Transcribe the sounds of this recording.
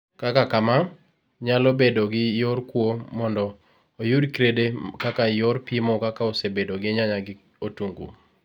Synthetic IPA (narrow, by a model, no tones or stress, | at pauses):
kakakama | ɲalobedoɡɪjoɾkwomɔndɔː | judkɾedekakajoɾpimokakaosebedoɡɪɲaɲaɡɪ | otuŋɡṵ